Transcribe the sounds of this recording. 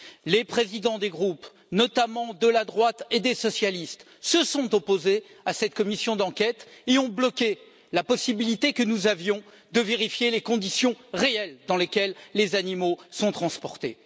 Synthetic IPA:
lepχezid̪ɑ̃d̪eɡʁup | nɔt̪amɑ̃d̪əlad̪ʁwat̪ed̪esɔsjalist̪ | səsɔ̃t̪ɔpoze | asɛt̪̚kɔmisjɔ̃d̪ɑ̃kʲɛt̪eɔ̃blɔkʲe | lapɔsibilit̪ekənuzavjɔ̃ | d̪əveʁifjelekɔ̃d̪isjɔ̃ʁeɛld̪ɑ̃lekʲɛlːezanimosɔ̃t̪χɑ̃spɔʁt̪e

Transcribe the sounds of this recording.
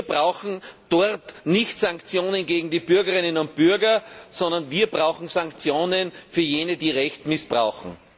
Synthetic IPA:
iːɐbʁaʊxn̩d̥ɔɐtnɪçtsãŋkt͡sjoːnənɡeːɡŋ̩diːb̥ʏɐɡəʁɪnənʊntb̥ʏɐɡɐsɔ̃ndɐnviːɐbʁaʊxŋ̩saŋkt͡sjoːnənfyːɐjeːnədiːʁɛçtmɪsb̥ʁa̰ʊxŋ̩

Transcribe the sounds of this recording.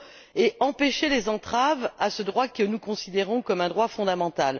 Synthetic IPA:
eɑ̃peʃelezɑ̃t̪χavasəd̪ʁwakənukɔ̃sid̪eʁɔ̃kɔmɛ̃d̪ʁwafɔ̃d̪amɑ̃t̪al

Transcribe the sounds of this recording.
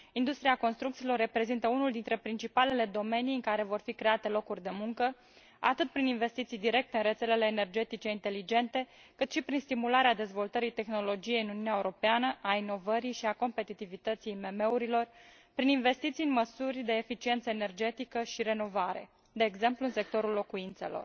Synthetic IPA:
ind̪ust̪ɾiako̞nst̪ɾukt̪siːlo̞rːe̞pɾe̞zint̪əunuld̪int̪ɾe̞pɾint͡ʃipale̞le̞d̪o̞me̞nijɨŋkaɾe̞vo̞rfikɾe̞at̪e̞lo̞kurʲd̪e̞muŋkə | a̰t̪ɨt̪̚pɾininve̞st̪it̪sijd̪iɾe̞k̚t̪e̞ɨnre̞t̪se̞le̞le̞ːne̞rd͡ʒe̞t̪it͡ʃe̞int̪e̞lid͡ʒe̞nt̪e̞ | kɨt̪ʃipɾinst̪imulaɾead̪e̞zvo̞lt̪əɾijt̪e̞xno̞lo̞d͡ʒije̞jɨnuniunʲaeuɾo̞peanəʔaino̞vəɾijʃiako̞mpe̞t̪it̪ivit̪ət̪sijme̞me̞uɾilo̞r | pɾininve̞st̪it̪sijɨnməsurʲd̪e̞ːfit͡ʃie̞nt̪səene̞rd͡ʒe̞t̪ikəʃiɾe̞no̞vaɾe̞̰ | d̪e̞ːɡze̞mpluɨnse̞k̚t̪o̞ɾulːo̞kuint̪se̞̰lo̞̰r

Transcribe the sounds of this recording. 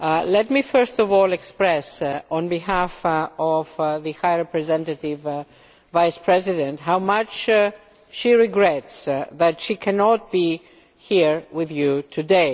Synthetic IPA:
lɛt̚mifɜ˞stɔvɔlˠɛkspɹɛsɔ̃nbihæfɔvðɨhajɹɛpɹɨzɛ̃ntətɪv | vaɪspʰɹɛzɪdɛ̃ntɦawmat͡ʃ | ʃiɹɪɡɹɛtsðɨtʃikʰɛnɔt̚b̥i | hiɹwɪðjutʰɨdeɪ

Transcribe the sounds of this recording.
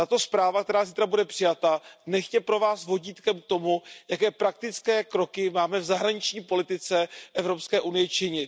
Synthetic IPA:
t̪at̪o̞spɾaːvakt̪ɛɾaːziːt̪ɾabudɛpr̥ɪjat̪anɛxcɛpɾo̞vaːsvo̞ɟiːt̪kɛmk̚t̪o̞mujakɛːpɾak̚t̪ɪt͡skɛːkɾo̞kɪmaːmɛvzaɦɾaɲɪt͡ʃɲiːpo̞lɪt̪ɪt͡sɛʔɛvɾo̞pskɛːʔunɪjɛt͡ʃɪɲɪ

